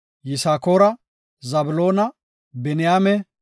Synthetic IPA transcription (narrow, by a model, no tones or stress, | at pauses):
jɪsaːkoːɾɐ | zɐbʊlo̞ːnɐ | bɛnɪjaːmɛ